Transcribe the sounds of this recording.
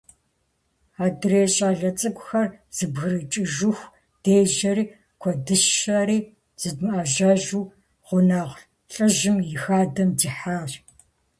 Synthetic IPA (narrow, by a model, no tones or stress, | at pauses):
aːdɨreːɕʼaːɮɐt͡sʼɨkʷʼʊxɐrz̥ɨbɣɨrɨt͡ʃʼɨʒʊxʷ | d̥eːʒɐɾiː | kʷʰɔdɨʃaɾiː | z̥ɨdmɨaːʒaːʒuː | ʁʷʊnaːʁɬ | ɬʼɨʒɨmjɪxaːdɐmdiːħaːɮ